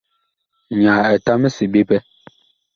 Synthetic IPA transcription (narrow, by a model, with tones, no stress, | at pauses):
ɲa˨ɛ˨ta˦mɛ˦si˨be˦pɛ˦